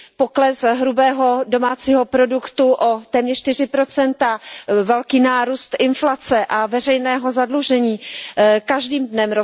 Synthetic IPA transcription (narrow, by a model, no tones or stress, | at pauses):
poklɛsɦɾubɛːɦo̞do̞maːt͡siːɦo̞pɾo̞dukt̪uʔot̪ɛːmɲɛrʃt̪ɪr̝ɪpɾot͡sɛnt̪avɛlkiːnaːɾuːst̪ʔɪnflat͡sɛʔavɛr̝ɛjnɛːɦo̞zadluʒɛɲiːkaʒdiːmdnɛmɾo